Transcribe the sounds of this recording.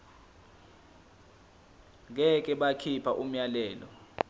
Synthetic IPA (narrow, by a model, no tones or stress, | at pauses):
k̬ɛk̬ʼɛɓakʰipʰaʔum̩jalɛːlɔ